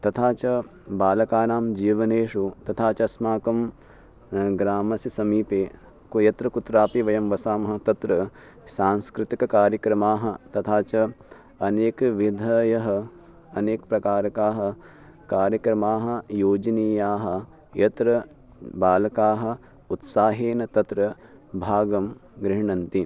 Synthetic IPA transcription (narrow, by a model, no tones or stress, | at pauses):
t̪ɐt̪ʰaːt͡ʃɐbaːlɐkaːnaːmd͡ʒiːʋɐneːʂut̪ɐt̪ʰaːt͡ʃɐɐsmaːkɐm | ɡɾaːmɐsisɐmiːpeː | kjɐt̪ɾɐkut̪ɾaːpiʋɐjɐmʋɐsaːmɐɦɐ̆t̪ɐt̪ɾɐ | saːnskɾɪt̪ikɐkaːɾjɐkɾɐmaːɦɐ̆t̪ɐt̪ʰaːt͡ʃɐ | ɐneːkʋid̪ʱɐjɐɦɐ̆ | ɐneːkpɾɐkaːɾɐkaːɦɐ̆ | kaːɾjɐkɾɐmaːɦɐ̆joːd͡ʒɐniːjaːɦɐ̆ | jɐt̪ɾɐ | baːlɐkaːɦɐ̆ | ut̪saːɦeːnɐt̪ɐt̪ɾɐbʱaːɡɐmɡɾɪɦɳɐnt̪i